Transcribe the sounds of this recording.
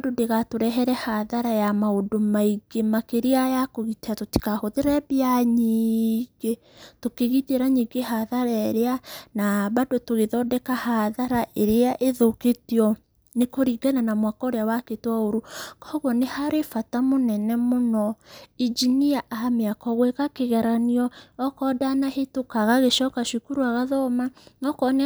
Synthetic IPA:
dodeɣatoɾɛɦɛɾɛhaðaɾajamaodomaiɡemakeɾeajakoɣiteatoti̥kahoðeɾɛβiaɲiːɡe | tokeɣiteɾaɲiːɡehaðaɾaeɾeanabadotoɣeðɔːdɛkahaðaɾaʔeɾeaʔeðoketiɔ | nekoɾiɡananamwakaoɾeawaketwaoɾukɔɣɔnehaɾefatamonɛnɛmonɔid͡ʒiniaʔaameakɔɣwekakeɣɛɾaniɔːkɔdanahetokaɣaɣeʃɔkaʃukuɾuaɣaðɔmanɔkɔne

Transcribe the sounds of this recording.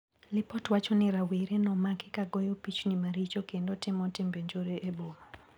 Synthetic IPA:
lɪpɔtwat͡ʃɔnɪɾaweɾenɔmakɪkaɡɔjopit͡ʃnɪmaɾit͡ʃokendotɪmɔtɪmbeɲd͡ʒoɾeʔebomo

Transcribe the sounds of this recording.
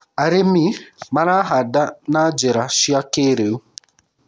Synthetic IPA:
aɾɪmimaɾaɦadanaad͡ʒeɾaʃiakeɾeu

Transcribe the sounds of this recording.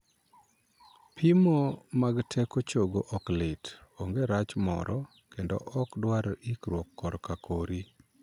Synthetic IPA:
pʰimomaɡtʰɛkot͡ʃoɡoʔɔklɪtoŋɡeɾat͡ʃmɔ̰ɾʔɔ | kendo̰ʔɔkdwaɾikɾwɔkːɔɾkakʰoɾi

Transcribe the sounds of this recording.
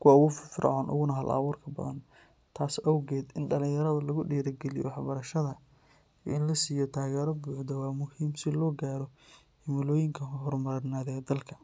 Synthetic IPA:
kʰʊwaʊɣʊffɾ̰ʕɔ̰ːnʔʊ̰ɣʊnɐɦɐlʔɐ̰βuːrkʰɐbɐ̰ðɐ̰n | t̪ʰaːsɐwɣɛːd̪ɪnɖɐlɪ̃ŋjɐɾɐðɐlɐɣʊɖiːɾɐɡɛlɪjɔ̰wɑħbɐɾɐʃɐðɐ | iɪnlɐsiːjɔt̪ʰaːɣɛːɾɔbuːħd̪ɔwɑːmʊhiːmsɪlɔːɡaːɾɔ | hɪmɪlɔːjɪŋkʰɐɦɔrmɐɾɐnaːðɛd̪ɐlkʰɐ

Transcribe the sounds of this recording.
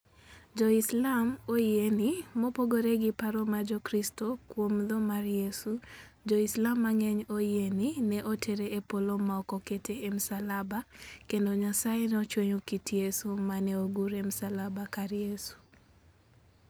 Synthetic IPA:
d͡ʒɔɪslamojenimopoɡoɾeɡɪpaɾɔmad͡ʒɔkɾistokwomd̪ɔmarjesu | d͡ʒɔɪslamːaŋeɲojeninɛʔotʰeɾeʔepolomaɔkɔketʰeemsalabakendoɲasajenɔt͡ʃweɲokitjesumanɛoɡuɾemsalabakaɾjesu̥

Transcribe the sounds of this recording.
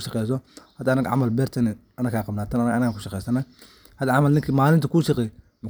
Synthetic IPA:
ʃɑqɛjs̬ɔhɐd̪aːnɐɡʕa̰mɐlbɛɾt̪ʰɐnɛ | ɐnɐɡkʰaːqɑbnaːt̪annɐɡkʊʃɑqɛjsɐnɐ | hɐd̪aʕamɐlnɪŋkʰimaːlɪnt̪ʰɐkuːʃɐqɛj | mʊ

